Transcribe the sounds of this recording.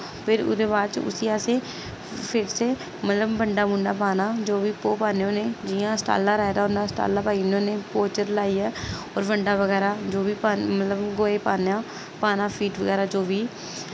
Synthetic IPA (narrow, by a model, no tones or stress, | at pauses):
pʰɪɾʊ̰d̪eːbaːd̪t͡ʃʊ̰siːaːseː | pʰɪɾseː | mət̪ləbːəɳɖaːmʊɳɖaːpaːnaːd͡ʒoːʋiːpoːpaːneõːneːd͡ʒɪãːsʈa̰ːlːaːɾaːɪd̪aːɦʊ̃ːnd̪aːsʈa̰ːlaːpaːinõːneːpoːt͡ʃəɾlaːiːɛːɔːɾʋəɳɖaːʋəɡɛːɾaːd͡ʒoːʋiːpamət̪ləbɡoːeːpaːnãː | paːnaːpʰiːʈʋəɡɛːɾaːd͡ʒoːʋiː